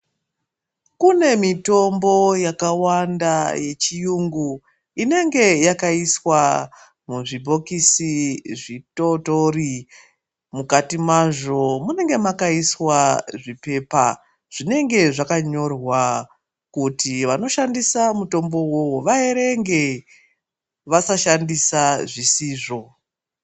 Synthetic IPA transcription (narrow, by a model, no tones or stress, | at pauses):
kune̞mito̞mbo̞jakawandaje̞t͡ʃijuŋɡu | ine̞ŋɡe̞jakaiswa | muʐibʱo̞kisiʐitotori | mukatimaʐo̞mune̞ŋɡe̞makaiswaʐipe̞pa | ʐ̥ine̞ŋɡe̞ʐakaɲo̞rwa | kutiʋano̞ʃandisamuto̞mbo̞wo̞woʋaeɾe̞ŋɡe̞ | ʋasaʃandisaʐisiːʐo̞